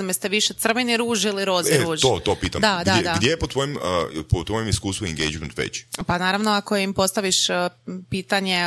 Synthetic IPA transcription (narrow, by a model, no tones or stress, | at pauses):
amest̪eʋiʃet̪r̩ʋeniɾuːʒiliɾoːzeeɾuːʒt̪ot̪opiːt̪a̰md̪ad̪aɡd̪jejepot̪ʋojempot̪ʋojemiskuːst̪ʋueŋɡḛjd͡ʒment̪ʋḛt͡ɕpanaːɾaʋnoakoimpo̞st̪aʋiʃpiːt̪aɲe